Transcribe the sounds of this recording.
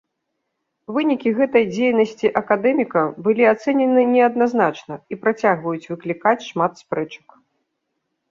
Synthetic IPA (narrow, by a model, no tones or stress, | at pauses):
vɨnʲikʲiɣɛt̪ɐjd͡zʲejnɐsʲt͡sʲiʔɐkad̪ɛmʲikɐbɨlʲiat̪sɛnʲɛnɨnʲɛɐd̪̚naznat͡ʂnɐipɾat͡sʲaɣvɐjut͡sʲvɨklʲikat͡sʲʂmat̪spɾɛt͡ʂɐ̥k